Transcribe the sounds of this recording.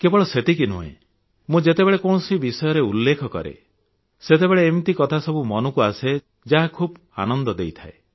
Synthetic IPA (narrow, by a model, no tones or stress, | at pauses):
kebɔɭɔset̪ikinṵɦḛ̃ | mũd͡ʒet̪ebeɭekɔɳ̃ɔsibisɔjɔɾeulːekʰɔkɔ̰ɾḛ | set̪ebeɭeːmt̪ikɔt̪ʰasɔbumɔnukuase | d͡ʒaɦakʰub | a̰nɔnd̪ɔd̪ejt̪ʰae